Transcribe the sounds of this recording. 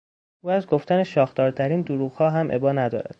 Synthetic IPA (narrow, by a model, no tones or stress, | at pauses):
uːæzɡo̞ft̪æneʃɒːxt̪ɒːɾt̪ʰæɾiːnd̪oɾuːɣhɒːɦæmʔebɒːnæd̪ɒ̰ːɾæ̰d̪̥